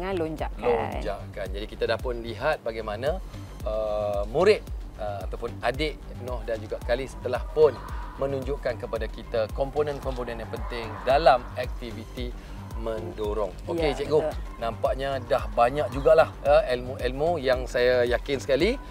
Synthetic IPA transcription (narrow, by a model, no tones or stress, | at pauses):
aloɲd͡ʒaʔklo̰d͡ʒaʔkand͡ʒadikit̪adahpʊnliɦat̪̚baɡajmãnã | əmũɾɪt̪̚əat̪awpʊnadɪʔ | nɔhdand͡ʒuɡaʔkalisə̥t̪əlahpʊnmə̃nũɲd͡ʒʊʔkankəpadakit̪akɔmponə̃nkɔmponə̃njaŋpənt̪ɪŋdalamɛk̚t̪ivit̪i | mə̃ndoɾʊŋoket͡ʃɛk̚ɡonãmpaʔɲadahbaɲak̚d͡ʒuɡaʔlahəɛlmoʔɛlmojaŋsajajakɪnsə̥kali